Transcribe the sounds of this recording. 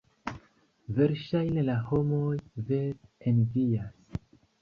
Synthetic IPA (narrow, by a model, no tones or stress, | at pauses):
ve̞ɾʃajne̞laho̞mo̞jveenvias